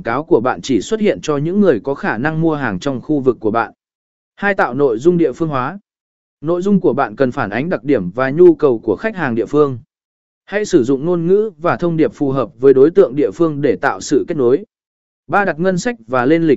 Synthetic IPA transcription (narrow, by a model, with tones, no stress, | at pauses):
kaː˨˦wku˧˩əɓa̰ː˧˨nt͡ɕi˧˩swə˦˥t̚hḭ˧˨ənt͡ɕɔ˧ɲɨ̰˧˥ŋːɨ˨˩əjkɔ˨˦xaː˧˩na˧ŋmu˧əɦaː˨˩ŋt͡ɕɔ˧wŋ͡mxu˧vɨ˨˩kːu˧˩əɓa̰ː˧˨n | haː˧jt̪a̰ː˧˨wno̰˧˨jzʊ˧ŋ͡mɗḭ˧˨əfɨ˧əŋɦwaː˨˦ | no̰˧˨jzʊ˧ŋ͡mku˧˩əɓa̰ː˧˨nkə˨˩nfaː˧˩nʔa˨˦jŋ̟ɗa˨˩k̚ɗi˧˩əmvaː˨˩ɲu˧kə˨˩wku˧˩əxa˦˥k̟̚haː˨˩ŋɗḭ˧˨əfɨ˧əŋ | ha˧jsɨ˧˩zʊ̰˧˨ŋ͡mŋo˧nŋɨ̰˧˥vaː˨˩t̪ʰə˧wŋ͡mɗi˨˩əp̚fu˨˩ɦəː˨˩p̚vəː˨˦jɗo˨˦jt̪ɨ̰˧˨əŋɗḭ˧˨əfɨ˧əŋɗe˧˩t̪a̰ː˧˨wsɨ̰˧˨ke˦˥t̚no˨˦j | ɓaː˧ɗa˨˩t̚ŋə˧nsa˦˥k̚vaː˨˩le˧nli˨˩k̚